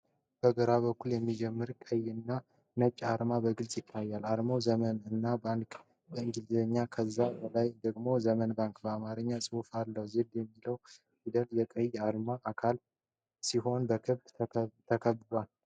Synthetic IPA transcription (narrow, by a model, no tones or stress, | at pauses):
b̥əɡəɾaβəkːuljɛmːid͡ʒɛmːɨɾkʼəjɨnːa | nət͡ʃʼːaɾmabəɡɨlsʼjɪt̪ʰːajːalaɾmowzəmənɨnːabaŋkʼ | bəɨŋɡɨlzəɲːakʰəzːabəlajd̪əɡmo̞zəmənbaŋkʼbəamaɾɨɲːasʼɨufalːəwzed̪jɛmːiləw | id̪əljɛkʼəjaɾmaʔːkʰal | siɦo̞nbəkʰɨβd̪ʰt̪ʰəkʰəβɨβal